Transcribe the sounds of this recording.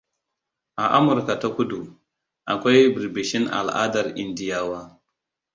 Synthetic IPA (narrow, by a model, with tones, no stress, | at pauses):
ʔa˨ʔa˦mʊ˨ɾka˨ta˦kʷʊ˦du˨ | ʔa˨kʷa˦jbɾbɪ˨ʃɪ˦nʔa̰˨lʔa̰ː˦dɐ˨rʔɪ˦ndɪ˦jaː˦waː˦